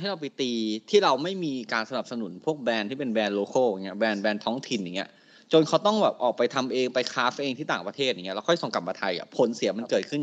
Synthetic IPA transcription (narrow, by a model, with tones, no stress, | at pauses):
ɦɾa˧wp̬a˧jt̪iː˧t̪ʰiː˥˩ɾa˧wma˥˩jmiː˧kaː˧nsa˧na˨˩p̚sa˧nu˨˩˦npʰu˥˩ək̚bɛː˧nt̪ʰiː˥˩pe˧nbɛː˧nloː˧kɤː˥˩a˨˩ŋːi˦˥ɐbɛː˧nbɛː˧nt̪ʰɔː˦˥ŋt̪ʰi˨˩njaː˨˩i˦˥ɐ | t͡ɕo˧nkʰa˦˥wt̪ɔ˥˩ŋbɛː˨˩p̚ʔɔː˨˩k̚pa˧jt̪ʰa˧mʔeː˧ŋpa˧jkʰaː˦˥fʔeː˧ŋt̪ʰiː˥˩t̪aː˨˩ŋpɾt̪ʰeː˥˩a˨˩ŋi˦˥˧ɛː˧˥wkʰjsɔ˧˩ŋka˨˩p̚ma˧t̪ʰa˧ja̰˨˩pʰo˨˩˦nsi˨˩˦ɐma˧nkɤː˨˩t̪̚kʰɯ˥˩n